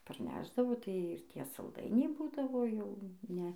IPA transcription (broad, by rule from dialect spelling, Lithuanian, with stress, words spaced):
pɐrʲˈnʲæːʒdɐʋoː tɐɪ ɪr ˈtʲiɛ sɐlˠˈdɐɪnʲɛɪ ˈbuːdɐʋoː ˈjɛʊ ˈnʲɛ